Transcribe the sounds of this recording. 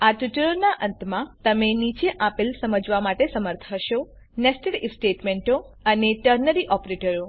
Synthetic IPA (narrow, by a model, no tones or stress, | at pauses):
aʈuʈəɭoɾnaʔə̃nt̪mãt̪əmenit͡ʃeʔapilsəməd͡ʒʋamaʈesəməɾt̪ʰəʃo | nɛsʈəɽisʈeʈmeɳʈo | əneʈəɾnəɾiʔɔpɾeʈəɾo